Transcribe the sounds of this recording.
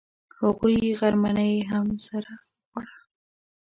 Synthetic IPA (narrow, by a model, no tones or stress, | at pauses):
haɣujɣaɾmanəjɦamsaɾa | ɣaɽa